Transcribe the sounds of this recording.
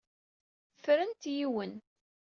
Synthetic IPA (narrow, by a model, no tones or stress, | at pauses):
fɾənt̪jiwən